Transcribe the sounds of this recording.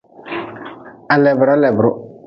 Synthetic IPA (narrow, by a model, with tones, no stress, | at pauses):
a˨lɛ˨bʊ˨ɾa˦lɛ˨bʊ˨ɾʊ˦